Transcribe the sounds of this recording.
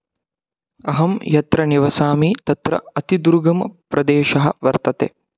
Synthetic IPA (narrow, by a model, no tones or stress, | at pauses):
ɐɦɐmjɐt̪ɾɐniʋɐsaːmit̪ɐt̪ɾɐ̰ɐt̪id̪uɾɡɐmpɾɐd̪eːʃɐɦɐʋɐɾt̪ɐt̪ḛː